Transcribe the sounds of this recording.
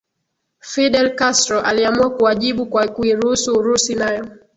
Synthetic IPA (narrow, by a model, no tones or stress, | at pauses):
fiɗɛlkastɾɔʔaliamuakuaʄiɓukwakuiɾuhusuːɾusinajɔ